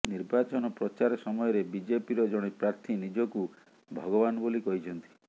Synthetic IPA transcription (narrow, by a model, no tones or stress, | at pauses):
niɾbat͡ʃɔnɔpɾɔt͡ʃaɾɔsɔmɔjɔɾebid͡ʒepiɾɔd͡ʒɔɽ̃ipɾaɾt̪ʰinid͡ʒɔku | bʱɔɡɔbanɔbolikɔɦit͡ʃʰɔnt̪i̥